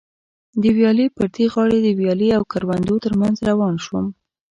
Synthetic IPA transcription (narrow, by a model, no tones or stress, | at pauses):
d̪əwjɑlipəɾt̪ʰiɣɑɽed̪əwjɑliawkaɾwand̪ot̪əɾmanzɾawɑnʃum